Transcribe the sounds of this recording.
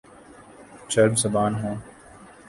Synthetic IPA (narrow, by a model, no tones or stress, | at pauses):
t͡ʃɐɾbzɐbaːnɦõː